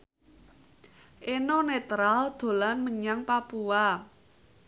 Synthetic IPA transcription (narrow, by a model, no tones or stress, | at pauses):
ʔenonet̪ɾald̪̥o̤lanməɲaŋpapua